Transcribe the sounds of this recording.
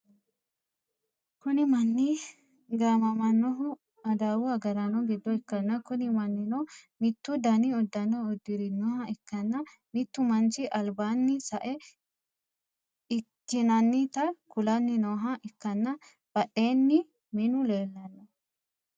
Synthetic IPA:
kʊnɪmɐnːi | ɡaːmɐmɐnːɔɦʊ | ɐd̪awʊɐɡɐɾɐnɔɡɪd̪ːɔɛkːɐnːɐkʊnɪmɐnːɪnɔmɪt̪ːʊd̪ɐniɔd̪ːɐnːɔɔd̪ːɪɾɪnːɔhɐɪkːɐnːɐ | mɪt̪ːʊmɐnt͡ʃɪʔɐlbaːnːɪsɐʔɛ | ɪkːɪnɐnːɪt̪ɐkʊlɐnːɪnɔːɦɐʔɪkːɐnːɐ | b̥ɐʔe̞ːnːɪ | mɪnʊle̞ːlːɐnːɐ

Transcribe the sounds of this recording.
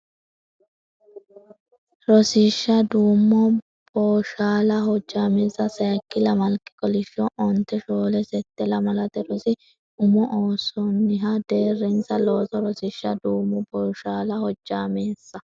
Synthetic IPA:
ɾɔsɪʃːɐd̪uːmːɔ | b̥oːʃaːlɐhɔd͡ʒːaːmeːsːɐsɐjɐkːɪlɐmɐlkːɪ̥kʼɔlɪʃːɔʔɔnt̪ːɛʃoːlɛsɛt̪ːɛlɐmɐlɐt̪ɛɾɔsɪ | ʔʊmɔʔoːsɔnːɪɦɐd̪e̞ːrːɛnsɐlo̞ːt̪ɔɾɔsɪʃːɐd̪uːmːɔbɔːʃaːlɐhɔd͡ʒːaːmeːsːɐ

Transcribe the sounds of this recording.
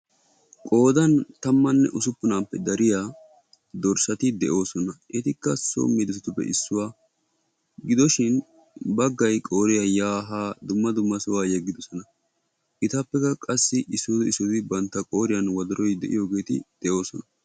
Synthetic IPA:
kʼo̞ːd̪ɐnt̪ɐmːɐnːɛ̰ʔʊsʊpːʊnaːpːɛd̪ɐɾɪja | d̪ɔɾsɐt̪ɪd̪ɛʔo̞ːsɔnɐʔɛt̪ɪkːɐso̰mːɪd̪ʊsɪt̪ʊpːɛ̰ʔɪsːʊwaː | ɡɪd̪ɔʃɪn | bɐɡːɐjkʼo̞ːɾɪjɐjaːɦaːd̪ʊmːɐd̪ʊmːɐsʊwaːjɛɡːɪd̪ɔsɔnɐ | ʔɪt̪ɐpːɛkɐkʼɐsːɪʔɪsʊd̪ɪsʊt̪ɪbɐnt̪ːɐkʼo̞ːɾɪjɐnwɐd̪ɐɾɔjd̪ɛ̰ʔɪ̰jo̞ːɡe̞ːt̪ɪ̰d̪̥ɛʔo̞ːsɔnɐ

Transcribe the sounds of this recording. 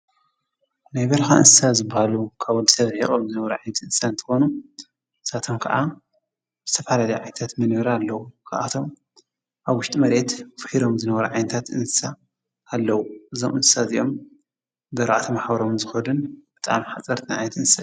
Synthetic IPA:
najbɐlxaɨ̰nssazɨbːahalukʰaβɔld̪isɐβhiχʼomzɨnɐβɐɾuʕajnɐt̪ɨnsaɨnt̪ʰɨ̥xo̞nu | ɨsat̪ʰo̞mkʰɐ̰ʔa | zɨt̪ʰɐfalalɐjʕa̰jnɐt̪ʰat̪mɐnoɾaːlːɐwukʰaʔat̪ʰo̞m | ʔaβwʊʃt̪ʼimɐɾe̞t̪fɨħiɾo̞mzɨnɐβɐɾuʕajnɐt̪ʰat̪ɨnsaː | lːɐwuʔɨzomɨnsɨ̥sazijo̞̰m | bɐɾaʔat̪ʰimaħbɐɾomzɨxɐlɨnb̥ɨt̪ʼa̰mħat͡sʼɐɾt̪ʰinʕa̰jnɐt̪ɨnsa

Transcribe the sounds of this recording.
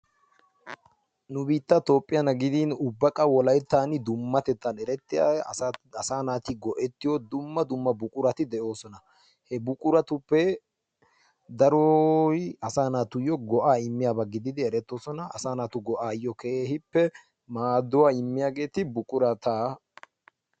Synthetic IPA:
nʊbiːt̪ːɐt̪o̞ːpʼːɪjɐnɐɡɪd̪iːnʊbːɐkʼɐwɔlɐjt̪ːaːnɪd̪ʊmːɐt̪ɛt̪ːɐnɛɾɛt̪ːɪja̰ | ɐsaːnaːt̪ɪɡɔʔɛt̪ːɪjɔd̪ʊmːɐd̪ʊmːɐbʊkʼʊɾɐt̪ɪd̪ɛʔo̞ːsɔnɐ | hɛbʊkʼʊɾɐt̪ʊpːɛ | d̪ɐɾɔjɐsaːnaːt̪ʊjɔɡɔʔaːɪmːɪjaːbɐɡɪd̪ɪd̪ɪɛɾɛt̪ːo̞ːsɔnɐɐsaːnaːt̪ʊɡɔʔaːjːɔkehɪpːɛ | maːd̪ʊwaːɪmːɪjaːɡe̞ːt̪ɪbʊkʼʊɾɐt̪aː

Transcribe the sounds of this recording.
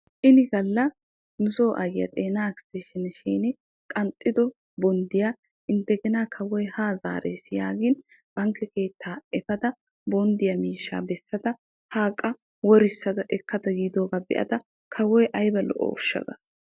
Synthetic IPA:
ʔɪnɪɡɐlːɐ | nʊsoːʔɐjɪjɐ̰t̪ʼeːnaːkst̪eːʃɪnʃiːnɪ | kʼɐnt̪ʼːɪd̪ɔ | bɔnd̪ɪjaː | ʔɪnt̪ːɛɡɪnaːkʰɐwɔjhaːza̰ːɾḛːsjaːɡɪn | b̥ɐŋkːɛke̞ːt̪ːaːɛfɐd̪ɐ | bɔnd̪ɪjɐmiːʃːa̰ːbɛsːɐd̪ɐ | haːkʼːɐ | wɔɾɪsːɐd̪ɐʔɛkːɐd̪ɐɡiːd̪o̞ːɡaːbɛ̰ʔɐ̰d̪ɐ | kʰɐwɔjʔɐjbɐlɔ̰ʔo̰ːɔʃːɐ̰ɡ̪ɐ̰

